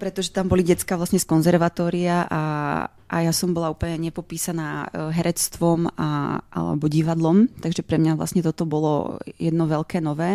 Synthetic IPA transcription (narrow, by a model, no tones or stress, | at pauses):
pɾɛt̪ɔʒɛt̪ambɔliɟɛt͡skaʋlasɲɛskɔnzɛɾʋat̪ɔːɾiaʔa | ʔa̰jasɔmbɔlauːpl̩ɲɛɲɛpɔpiːsanaːɦɛɾʔɛt͡st̪ʋɔma̰ʔa̰lɛ̰bɔɟiʋad̪lɔmt̪aɡʒɛpɾɛmɲaʋla̰sɲɛt̪ɔt̪ɔbɔlɔ̰jɛd̪nɔʋɛlkɛːnɔʋɛː